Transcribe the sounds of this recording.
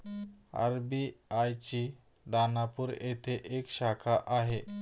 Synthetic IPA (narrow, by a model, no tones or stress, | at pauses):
a̰ɾbiajt͡ɕi | d̪anapuːɾet̪ʰeʔekɕakʰaʔaɦe